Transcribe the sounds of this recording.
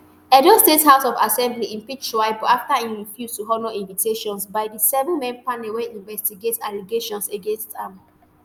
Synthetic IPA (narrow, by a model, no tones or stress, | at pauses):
ɛdostetshaʊsɔva̰sɛ̃mbliĩmpid͡ʒʃaɪbɔaftaĩɹifjustuɦɔnoĩnvitʰeʃɔ̃nsbaɪdisɛvɛ̃nmɛ̃npanɛwɛ̃ʔĩnvɛstiɡetaliɡeʃɔ̃nseɡẽnstãm